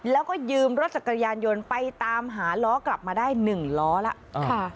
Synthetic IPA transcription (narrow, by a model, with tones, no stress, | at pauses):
lɛː˦˥wkɔː˥˩jɯː˧mɾo˦˥t̪̚sa˨˩kːa˧jaː˧njo˧npa˧jt̪aː˧mɦaː˩˦lɔː˦˥kla˨˩p̚maː˧daː˥˩jnɯ˨˩ŋlɔː˦˥la˦˥ʔkːʰa˥˩